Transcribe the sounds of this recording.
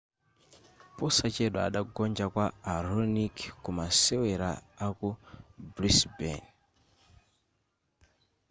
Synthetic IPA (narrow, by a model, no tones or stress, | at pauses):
pɔsat͡ʃɛɗɔa̰ɗaɡɔnd͡ʒakwaːɾɔnikkumasɛwɛɾaːkubɾisbɛ̰n